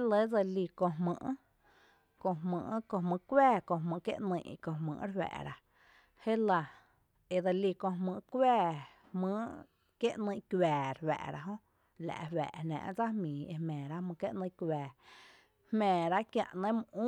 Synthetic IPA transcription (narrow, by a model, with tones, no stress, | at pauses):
e˦lə˦d͡zə˧li˧˨kõ˧ɦmə̰̃˧ʔ | kõ˧ɦmə̃ː˧˨ʔkõ˧hmə̃˧kʷɛː˦˨kõ˧ɦmɨ̃˧ʔkjḛ˦ʔnə̃˧˨ʔkõ˧˨mə̰̃ː˧˨ʔɾwɛ̰ː˨ɾa˨ | he˦la˧ | e˨d̪ə˧li˧˨kõ˧mɨ̃ː˧ʔkwɛː˦˧ | hmə̃ː˦ʔ | kje˦ʔnə̃˧˨kɛː˨ɾwɛ̰ː˨ʔɾa˧ɦõ˦ | la̰˨ʔwɛ̰ː˨nã̰ː˧˨ʔd͡za˦hmĩː˨ḛ˧hmɛ̃ː˨ɾa˦mə̃˧kje˦ʔnə̃˧kwɛː˨ | hmɛ̃ː˨ɾa˦kjã̰˧ʔnẽ˦m˧ʔũː˦